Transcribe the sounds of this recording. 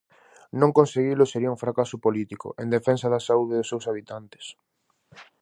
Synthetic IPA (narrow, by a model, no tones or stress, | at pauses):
nõŋkõnseɣilʊseɾiɐũfɾakasʊpolit̪ikʊ̰ʔend̪efensaðɐsauðɪðʊsewsaβ̞it̪ant̪e̥s